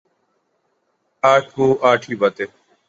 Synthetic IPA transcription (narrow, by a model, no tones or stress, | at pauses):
aːʈʰuːʔaːʈʰiːbat̪eː